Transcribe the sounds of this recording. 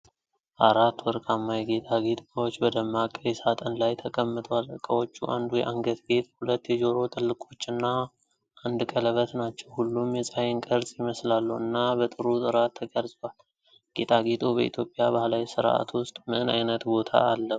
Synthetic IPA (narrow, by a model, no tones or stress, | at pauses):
ʔaɾat̪ːwɔɾkʼamːajɛɡet̪ʼaɡet̪ʼbəwot͡ʃːbəd̪əmːakʼːəjɛsat̪ʼənlajt̪ʰəkʼəmːɨt̪ʼwalɨkʼːəwo̞t͡ʃːuʔand̪ujɛ̰ʔaŋɡət̪ɡe̞t̪̚ʼhulət̪ːjɛd͡ʒo̞ɾo̞t̪ʼɨlːɨkʼo̞t͡ʃːɨnːa | ʔand̪kʼələβət̪nat͡ʃːɛwhulːumjɛsʼajɪnkʼəɾzʼjɪməslalːuɨ̰nːabət̪ʼɨɾut̪ʼɨɾat̪ʰːəkʼəɾzʼwal | ɡ̥et̪ʼaɡet̪ʼubəḭt̪ʰjo̞pʼːjabahlawisɨɾʔa̰t̪wʊst̪ʼmɨna̰jnət̪bo̞t̪ʰa̰alːə